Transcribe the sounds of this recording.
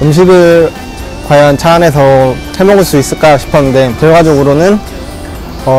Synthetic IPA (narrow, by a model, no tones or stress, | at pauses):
ɯmɕ̬ʰiɡɯɭ | kwajʌnt͡ɕʰaːne̞sʰʌ | he̞mʌɡɯɭs͈uis͈ɯɭk͈aɕʰi̥pʰʌnɯnde̞tʌɭɡad͡ʑʌɡɯɾonɯn | ʌ